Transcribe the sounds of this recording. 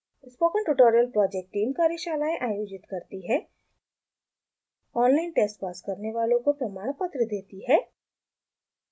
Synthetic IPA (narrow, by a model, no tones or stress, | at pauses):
ɪspoːkəɳʈuʈoːɾijəlpɾɔːd͡ʒek̚ʈʈːiːmkaːɾeʃaːlaːẽʔaːjoːd͡ʒɪt̪kɐɾt̪iɦɛ | ɔːnlaːɪnʈeːsʈpaːskɐɾneʋaːlõkopɾɐmaːɽ̃pət̪ɾəd̪eːt̪iɦɛː